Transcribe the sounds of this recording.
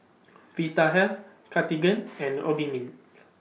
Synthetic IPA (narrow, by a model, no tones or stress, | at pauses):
vit̪aɦɛf | kʰat̪iɡə̃nɛ̃no̰bimin